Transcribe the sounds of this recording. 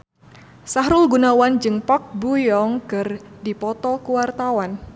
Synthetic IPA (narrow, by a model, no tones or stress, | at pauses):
saɦɾʊlɡunawand͡ʒɨŋpɔk̚bujɔŋkɨrdipɔt̪ɔkuwart̪awan